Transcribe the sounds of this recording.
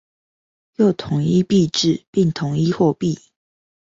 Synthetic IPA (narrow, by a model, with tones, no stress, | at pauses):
jo˥˨ʊt̪ʰʊ˨˦ŋi˦˥pi˥˧ʈ͡ʂɻ̩˥˨pi˥˩ŋt̪ʰʊ˨˦ŋi˥xwɔ˥˧pi˥˨